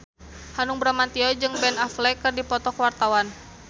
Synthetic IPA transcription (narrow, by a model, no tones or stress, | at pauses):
hanʊŋbɾamant̪iɔd͡ʒɨŋbɛnaflɛkɨrdipɔt̪ɔkwart̪awan